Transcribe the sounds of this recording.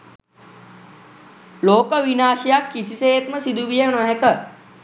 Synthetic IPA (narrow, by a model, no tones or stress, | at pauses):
loːkəʋinaːʃijakːisisejet̪məsid̪uʋijenɔɦekə